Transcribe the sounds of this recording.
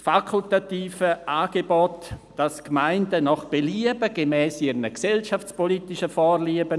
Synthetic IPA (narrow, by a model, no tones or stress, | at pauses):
fakʰultatiːfəʔaːɡ̥ebɔtd̥askmaɪndənɔχb̥eliəbəɡ̥emɛːsiəɾnəksɛlʃaft͡spolitɪʃəfɔːrliəbə